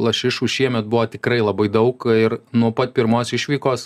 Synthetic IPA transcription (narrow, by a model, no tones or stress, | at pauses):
lˠɐʃʲɪʃuːʃʲiɛmʲɛt̪̚bʊʋoːt̪ʲɪkɾɐɪlˠɐbɐɪd̪ɐʊkɪrnuɔpɐt̪̚pʲɪɾmoːsɪʃʲʋʲiːkoːs